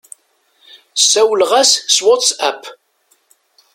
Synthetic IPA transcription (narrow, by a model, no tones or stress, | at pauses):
sæwəlʁasswat̪sæp